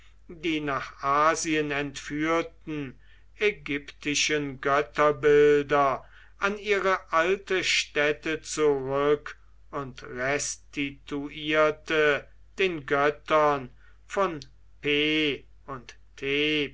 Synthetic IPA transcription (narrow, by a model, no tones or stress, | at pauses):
diːnaːχaːziənɛntfyːɐtn̩ | ɛɡʏptɪʃənɡœtɐbɪldɐ | ʔaniːʁəʔaltəʃtɛtət͡suʁʏk | ʊntʁɛstituʔiːɐtə | d̥eːnɡœtɐn | fɔn | peː | ʊntːʰeː